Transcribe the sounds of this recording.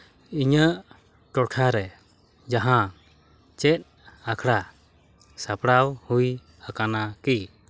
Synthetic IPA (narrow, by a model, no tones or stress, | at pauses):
iɲəʔ | ʈɔʈʰaɾɛ | d͡ʒaɦã | t͡ʃɛt̪̚ | akʰɽa | sapɽawhuj | akanaki